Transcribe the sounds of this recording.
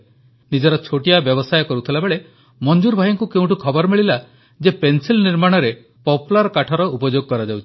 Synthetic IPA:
nid͡ʒɔɾɔt͡ʃʰoʈiabjɔbɔsajɔkɔɾut̪ʰilabeɭe | mɔnd͡ʒuɾbʱajɔŋkukeũʈukʰɔbɔɾɔmiɭila | d͡ʒepensilniɾmaɽ̃ɔɾe | pɔpulaɾɔkaʈʰɔɾɔupɔd͡ʒoɡɔkɔɾad͡ʒawt͡ʃʰi̥

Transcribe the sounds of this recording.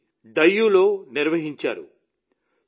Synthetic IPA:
ɖ̪ɐjːulo̞ːniɾʋɐɦiɲt͡ʃa̰ːɾṵ

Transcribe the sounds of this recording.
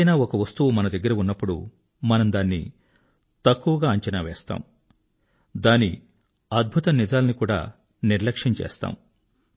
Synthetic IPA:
jnaːɔkɐʋɐst̪uʋumɐnɐd̪ɐɡːɐɾɐunːɐpːuɽṵ | mɐnɐmd̪aːnːḭ | t̪ɐkːuʋɐɡaːɐɲt͡ʃɐnɐʋeːst̪a̰ːm | d̪aːni | ɐd̪̚bʱut̪ɐnid͡ʒaːlɐnikuːɽa̰ː | niɾlɐkʂɐɲt͡ʃḛːst̪a̰ːm

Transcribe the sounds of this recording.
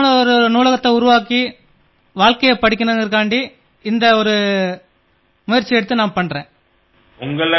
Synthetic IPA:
nɐɔɾɯnuːlɐɣɐt̪ːɐʊɾʊʋaːkːi | ʋaːɭkɐjɐpɐɽɪk̬ʲːɪnɐɪɾkaːɳɖi | ɪnd̪ɐɔɾɯ | mʊjɐɾt͡ʃːɪɛɽɯt̪ːɯnaːmpɐɳrẽː | ʊŋɡɐɭ

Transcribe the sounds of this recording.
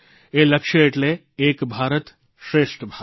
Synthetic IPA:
elɐkʂjəeʈle | eːkbʱaːɾət̪ | ʃɾeːʂʈbʱa

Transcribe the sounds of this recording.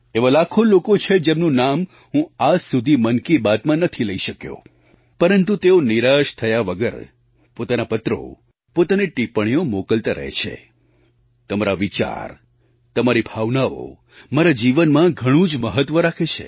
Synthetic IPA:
eʋalakʰolokot͡ʃʰed͡ʒemnũnam | ɦũad͡ʒsud̪ʱimənkibat̪mãnət̪ʰiləiʃəkjo̰ | pəɾənt̪ut̪eoniɾaʃt̪ʰəjaʋəɡəɾ | pot̪anapət̪ɾo̰ | pot̪aneʈipəɽ̃ijomokəlt̪aɾə̰ɦḛt͡ʃʰḛ | t̪əmaɾaʋit͡ʃa̰ɾ | t̪əmaɾibʱaʋnao̰ | maɾad͡ʒiʋənmãɡʱəɽ̃ũd͡ʒməɦət̪ʋəɾakʰet͡ʃʰḛ

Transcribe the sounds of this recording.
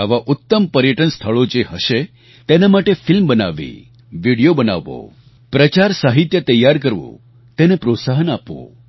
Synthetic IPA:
aʋaʔʊt̪ːəmpəɾjəʈənst̪ʰəɭod͡ʒeɦəʃe | t̪enamaʈefɪlmbəna̰ʋḭ | ʋiɽijobəna̰ʋːo̰ | pɾət͡ʃaɾsaɦit̪jət̪əjːaɾkəɾʋo̰ | t̪enepɾot̪saɦənapʋo̰

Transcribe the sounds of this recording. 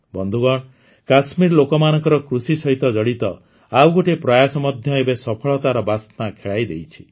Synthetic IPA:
bɔnd̪ʱuɡɔɽ | kasmiɾlokɔmanɔŋkɔɾɔkɾusisɔɦit̪ɔd͡ʒɔɽit̪ɔ | awɡoʈepɾɔjasɔmɔd̪ʱjɔebesɔpʰɔɭɔt̪aɾɔbast̪nakʰeɭajd̪ejt͡ʃʰi̥

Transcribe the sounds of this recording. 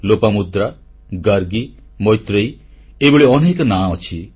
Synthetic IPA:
lopamud̪ɾa | ɡaɾɡi | mɔjt̪ɾej | eboɭeɔnekɔnaɔt͡ʃʰi

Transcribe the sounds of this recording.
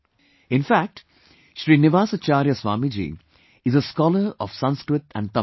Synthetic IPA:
ɪ̃nfæk̚ʈ | ʃɾiːnɪʋaːsat͡ʃaːɾjəsʋaːmid͡ʒḭː | ɪzəskɔːləɾɔʋsʌ̃nskɾɪt̪æ̰̃ɳɖ̚t̪ɐ

